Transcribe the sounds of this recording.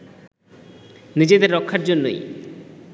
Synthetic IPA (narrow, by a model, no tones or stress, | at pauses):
nid͡ʒed̪eɾːɔkʰːaʈ̚d͡ʒonːṵj